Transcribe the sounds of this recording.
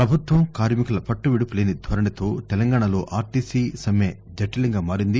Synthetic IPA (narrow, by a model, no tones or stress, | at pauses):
pɾɐbʱut̪ʋɐmkaːɾmikɐlɐpɐʈːuʋiɽupuleːnid̪ʱʋɐɾɐɽit̪o̞ːt̪ɛlɐŋɡaːɳɐlo̞̰ːʔaːɾʈiːsiːsɐmeː | d͡ʒɐʈːɐlɐŋɡaːmaːɾind̪i